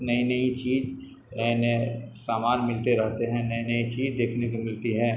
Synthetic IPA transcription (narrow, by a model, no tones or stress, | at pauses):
nɐinɐit͡ʃiːd͡ʒ | ɛnesaːmaːnmɪlt̪eɾɛɦt̪eɦɛ̃nɐinɐit͡ʃiːd͡ʒd̪eːkʰnekomɪlt̪iɦɛ̃ː